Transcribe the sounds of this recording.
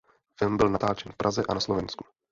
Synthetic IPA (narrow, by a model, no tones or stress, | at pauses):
fɪlmbɪlnat̪aːt͡ʃɛnfpɾʔazɛʔanaslovɛnsku̥